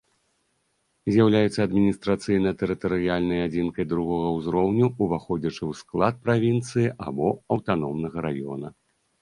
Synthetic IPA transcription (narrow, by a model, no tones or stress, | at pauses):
zʲjawlʲajut̪sːɐːd̪mʲinʲist̪ɾat̪sɨjnɐjɐt̪ɛɾɨt̪ɐɾɨjalʲnɐjad͡zʲinkɐjd̪ɾuɣɔɣɐwzɾɔwnʲuuvaxɔd͡zʲɐt͡ʂɨwsklˠat̪̚pɾavʲint̪sɨjiʔa̰bɔɐwt̪anɔmnɐɣɐɾajɔ̰nɐ